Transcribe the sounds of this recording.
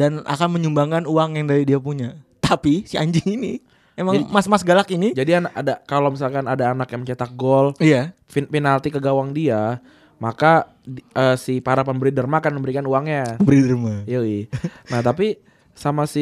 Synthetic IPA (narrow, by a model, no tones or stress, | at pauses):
dana̰kanməɲumbaŋkanuaŋjaŋdaɾidiapuɲat̪apisia̰ɲd͡ʒɪŋini | emad͡ʒamasmasɡalakinid͡ʒadianakadakalomis̬alkanadaːnakjamət͡ʃat̪ak̚ɡɔlija | finfinalt̪ikəɡawaŋdia | maka | əːsipəaɾapanbəɾidərmakanməmbəɾikanuaŋɲabəɾidərmajainaht̪ap̬i | samasi